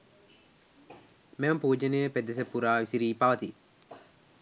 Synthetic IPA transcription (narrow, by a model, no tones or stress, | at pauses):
meɐmpuːd͡ʒenejəped̪es̬epːuɾaːʋisiɾiːpaʋɐt̪i